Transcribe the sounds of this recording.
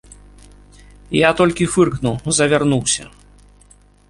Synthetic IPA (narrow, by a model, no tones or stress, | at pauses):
jat̪ɔlʲkʲifɨrknuwzɐvʲarnuwsʲɐ̰